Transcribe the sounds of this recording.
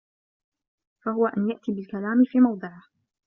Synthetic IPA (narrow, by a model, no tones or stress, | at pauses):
fahʊwaʔanjaʔt̪iːbɪlkalaːmɪfiːmɑwd̪ˤɨʕɪh